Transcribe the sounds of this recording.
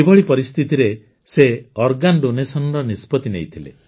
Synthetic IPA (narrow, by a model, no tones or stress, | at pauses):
ibɔɭipɔɾist̪ʰit̪iɾe | seɔɾɡanɖonesɔnɔɾɔnispɔt̪inejt̪ʰilḛ